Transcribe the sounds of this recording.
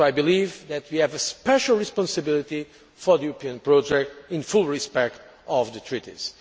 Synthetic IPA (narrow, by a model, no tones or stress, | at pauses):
ajbilivðɛt̪̚ʰwiɛvɨspɛʃlˠɹispɔ̃nsɨbilˠit̪i | fɔðijuɾɨpiɨ̃npɹod͡ʒɛk̚tĩnfulˠɹispɛk̚t̪ | ʔɔvðɨt̪ʰɹitḭz̥